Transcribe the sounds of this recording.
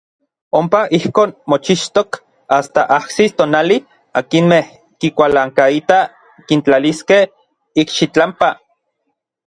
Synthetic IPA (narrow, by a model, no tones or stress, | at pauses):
ompaʔihkoːnmot͡ʃiʃt̪ok | ast̪aʔahsist̪oːnali | a̰kinmeh | kikʷalaːŋkait̪a | kint͡ɬaliskeh | ikʃit͡ɬampa